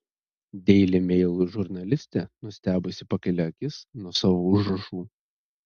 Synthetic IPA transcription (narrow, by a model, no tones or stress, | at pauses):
d̪ʲɛɪlʲɪmʲɛɪlˠʊʒʊɾnɐlʲɪsʲt̪ʲɛnʊsʲt̪ʲæːbʊsʲɪpɐkʲɐlʲɛɐkʲɪsnuɔsɑːʋoʊʒɾɐʃuː